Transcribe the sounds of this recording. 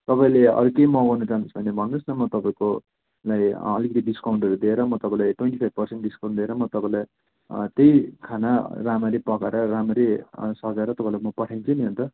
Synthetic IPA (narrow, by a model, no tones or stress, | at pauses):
t̪ʌpaĩleʌ̰ɾukejmʌɡʌnut͡sansbʱʌnːebʱʌnːusnʌmʌt̪ʌpaĩko | lajʌ̰likʌt̪iɖiskawɳʈʌɾud̪ieɾʌmʌt̪ʌpãĩlajʈwenʈipʰajb̚pʌrseɳʈɖiskaw̃ɳʈd̪ieɾʌmʌt̪ʌpãĩlaj | t̪ejkʰanaramʌɾipʌkaɾʌɾamʌɾesʌɡaɾʌt̪ʌpaĩlajmʌpʌʈʰaj̃nt͡sʰuniɦont̪ʌ